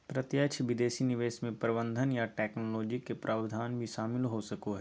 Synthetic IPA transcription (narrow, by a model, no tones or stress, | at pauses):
pɾɐt̪jət͡ʃʰʋɪd̪eːsinɪʋeːʃmẽpɾɪbə̃nd̪ʱənjaʈɛːknolɔːd͡ʒikepɾʔaːbd̪ʱaːnbʱiʃaːmɪlɦosɐkoɦɛ